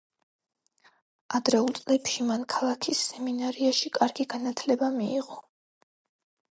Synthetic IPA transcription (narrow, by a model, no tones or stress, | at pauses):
ad̪ɾɛulˠt̪sʼlɛpʃimankʰalˠakʰisːɛminaɾiaʃikʼaɾɡiɡanat̪ʰlɛbamiḭʁɔ